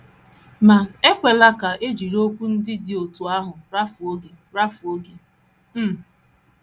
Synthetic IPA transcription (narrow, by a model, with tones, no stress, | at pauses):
ma˨e˦kʷe˨la˦ka˨ʔe˦d͡ʒi˨ɾo˦kʷu˦n̩˦dɪ˦dɪ˦o˨tu˨a˦ɦʊ˨ɾa˦fʊ˨o˦ɡi˨ | ɾa˦fʊ˨o˦ɡi˦ | m̩˦